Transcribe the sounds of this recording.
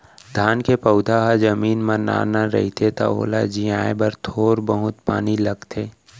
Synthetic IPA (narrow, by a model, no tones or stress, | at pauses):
d̪ʱaːnkepəʊd̪ʱaɦad͡ʒɐmiːnməna̰ːnaɾə̰ɦit̪ʰet̪a̰o̰ːlad͡ʒiaːebɐɾt̪ʰoːɾbəɦʊt̪pa̰ːnilɐɡt̪ʰeː